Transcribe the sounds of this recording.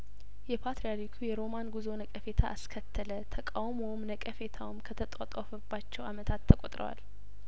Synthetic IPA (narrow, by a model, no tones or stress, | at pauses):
jɛpʰat̪ɾijaɾikʰujɛɾo̞manɡuzo̞nəkʼəfe̞t̪ʰaʔːskʰət̪ʰːələt̪ʰəkʼawmowmnəkʼəfe̞t̪ʰawmkʰət̪ʰət̪ʼat̪ʼafəbːat͡ʃːɛwamət̪ʰat̪ʰːəkʼot̪ʼɾə̰wa̰l